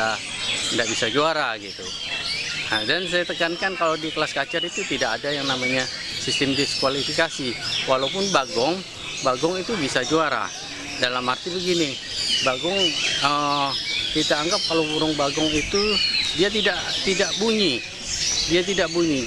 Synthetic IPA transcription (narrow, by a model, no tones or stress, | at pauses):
a | ndaʔbisad͡ʒoaɾaɡit̪u | adansajat̪əkankankalawdikəlaskat͡ʃarit̪ut̪idakːdajaŋnamaɲa | sist̪ɪmdɪskwalifikasiwalapʊnbaɡɔŋ | baɡɔŋit̪ubisad͡ʒoaɾa̰ | dalamart̪ibəɡini | baɡɔŋə | kit̪aːŋɡap̚kalopuɾʊŋbaɡɔŋit̪udiat̪̬idaʔt̪idaʔbuɲi | diat̪̬idaʔbuɲi